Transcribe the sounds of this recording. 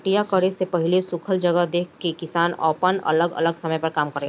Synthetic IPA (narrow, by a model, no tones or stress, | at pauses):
ʈijakəɾesepɐɦɪlesʊkʰəld͡ʒəɡəɦd̪eːkʰkːekɪsaːnɔ̰ːpənɐ̰ləɡə̰ləɡsɐməjpɐɾkaːmkəɾẽ